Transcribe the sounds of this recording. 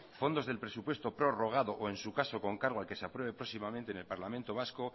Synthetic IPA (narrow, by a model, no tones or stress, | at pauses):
fo̞nd̪o̞zðe̞lpɾe̞supwest̪o̞pɾo̞ro̞ɣ̞aðoʔoe̞nsukaso̞ko̞ŋkaɾɣ̞o̞alke̞seapɾwe̞βe̞pɾo̞ksimament̪enelpaɾlamẽnt̪o̞βasko